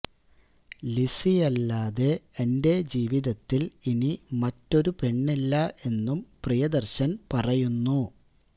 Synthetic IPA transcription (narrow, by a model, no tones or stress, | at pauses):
lisijɐlːaːðe̞ːnde̞d͡ʑiːʋiðɐt̪ːilinimɐtːo̞ɾupe̞ɳːilːɐe̞nːumprijɐd̪ɐrɕɐnpɐrɐjunːu